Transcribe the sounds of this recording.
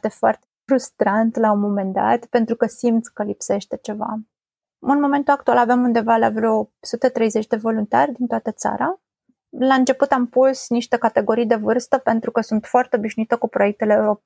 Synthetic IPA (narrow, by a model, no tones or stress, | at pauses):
t̪e̞foart̪efɾust̪ɾant̪laumo̞me̞nd̪a̰t̪pent̪ɾukəsimt̪skəlipse̞ʃt̪e̞t͡ʃe̞va̰ | ɨnmo̞me̞nt̪uak̚t̪ualave̞mund̪e̞valeavɾosut̪et̪ɾe̞jze̞t͡ʃd̪e̞vo̞lunt̪a̰rʲd̪int̪oat̪ət̪sa̰ɾa | laɨnt͡ʃe̞put̪ampusniʃt̪e̞kat̪e̞ɡo̞ɾijd̪e̞vɨrst̪əpe̞nt̪ɾukəsunt̪foart̪eo̞biʃnuit̪əkupɾo̞jek̚t̪e̞leːuɾo̞p